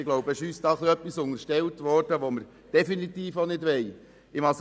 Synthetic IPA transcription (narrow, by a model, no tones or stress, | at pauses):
ɪɡlowbəɪʃyːsd̥ɑːχliœpːisʊŋəɾʃtɛltʋɔrd̥əʋoməɾ | d̥ɛfinit̪iːfonɪdʋɛj | ɪmɑs